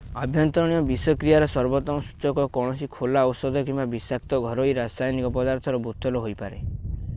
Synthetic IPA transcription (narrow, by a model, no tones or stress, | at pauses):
abʱjɔnt̪ɾɔɽ̃ijɔbisɔkɾijaɾɔsɔɾbɔt̪ɔmɔsu̥t͡ʃɔkɔkɔɽ̃ɔsikʰolaɔwsɔd̪ʱɔkimbabisak̚t̪ɔɡʱɔɾɔjɾasajnikɔpɔd̪aɾt̪ʰɔɾɔbut̪ɔlɔɦojpaɾe